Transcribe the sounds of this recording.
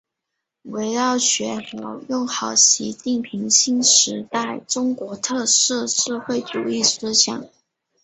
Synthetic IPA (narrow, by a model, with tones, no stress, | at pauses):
we˧˥ɪɻɑ˥˩ʊɕɥɛ˧˥xjɑ˧˥ʊjʊ˥˩ŋxɑ˨˩ʊɕḭ˧˥t͡ɕi˥˩npʰi˧˥ŋɕi˥nʂɻ̩˧˥t̪a˥˩ɪʈ͡ʂʊ˥ŋkwɔ˧˥t̪ʰɤ˥˧ʂɻ̩˥˧ʂɻ̩˥˧xwe˥˩ɪt͡su˨˩i˥˩sɹ̩˥ɕjɑ̰˨˩˦ŋ